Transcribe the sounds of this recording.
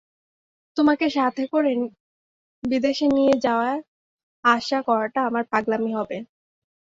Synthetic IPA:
t̪omakeʃat̪ʰekoɾen | bid̪eʃenijed͡ʑaoa | aʃakɔɾaʈaamaɾpaɡlamiɦɔbe

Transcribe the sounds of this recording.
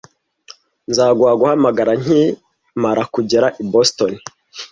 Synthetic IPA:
nzaːɡwaːɡuhamaɡaɾaɲ̥i | maɾakuɟeɾaʔibostoni

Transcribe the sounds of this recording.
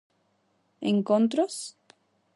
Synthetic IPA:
ḛŋkont̪ɾos

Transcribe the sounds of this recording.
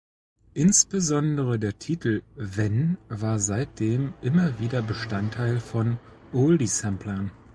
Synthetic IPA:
ʔɪnsb̥əzɔndəʁədeːɐtʰiːtʰl̩vɛnvaːɐzaɪt̚d̥eːmʔɪmɐviːdɐbəʃtantʰːaɪlfɔn | ʔoldisɛmpʰlɐn

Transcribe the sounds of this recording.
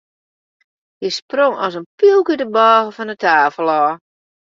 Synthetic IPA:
həsproŋɔsənpilˠkədəbɔːvəfɔndətaːfəlˠɔː

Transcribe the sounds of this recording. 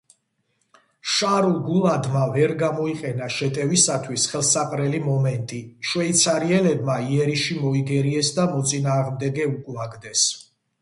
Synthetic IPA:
ʃaɾulˠɡulˠad̪mavɛɾɡamɔiqʼɛnaʃɛt̪ʼɛvisat̪ʰwisχɛlˠsaqʼɾɛlimɔmɛnt̪ʼiʃwɛit̪sʰaɾiɛlɛbmaiɛɾiʃimɔiɡɛɾiɛsd̪amɔt̪sʼinaːʁmd̪ɛɡɛukʼlaɡd̪ɛs

